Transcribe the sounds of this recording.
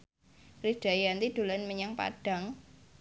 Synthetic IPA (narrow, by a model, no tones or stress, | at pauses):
rid̥a̤jant̪id̪̥o̤lanməɲaŋpa̰ɖ̥a̤ŋ